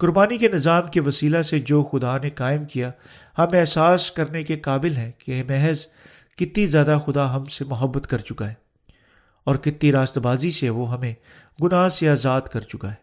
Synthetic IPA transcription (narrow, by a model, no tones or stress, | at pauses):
kʊɾbaːnikenɪzaːmkeʋɐsiːlased͡ʒoːxʊd̪anekaːɪmkija | hɐmɛɦsaːskɐɾnekekaːbɪlɦɛ̃kemɛɦz | kɪt̪nizjaːd̪axʊd̪aɦɐmsemʊɦəbːət̪kɐɾt͡ʃʊkaɦɛː | ɔːɾkɪt̪ːiɾaːst̪baːziseʋoɦɐmẽ | ɡʊnaːsejaːzaːt̪kɐɾt͡ʃʊkaɦɛː